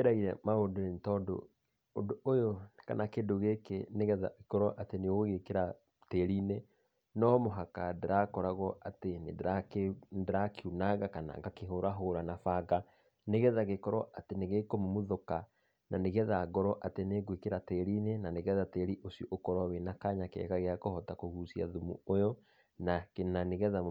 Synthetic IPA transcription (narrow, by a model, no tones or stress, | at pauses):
eɾaiɾɛmaodonentɔdo̰ | ondoojoka̰nakendoɣekeneɣɛða̰ɣekɔɾɔʔateneoɣekeɾa | teɾine | nɔmoɦakadeɾakɔɾaɣɔatenḛdeɾakendeɾakeunaɣakana̰ŋɡakeɦoɾaɦoɾanafaɣa | neɣɛðaɣekɔɾɔʔateneɣekomomoðoka | naneɣɛðaɣɔɾɔʔateneɣwekeɾateɾinenaneɣɛðateɾiʔosjoʔokɔɾawenakaɲakḛɣaɣeakohɔtakohusia̰ðumṵojɔ | nakenaneɣɛða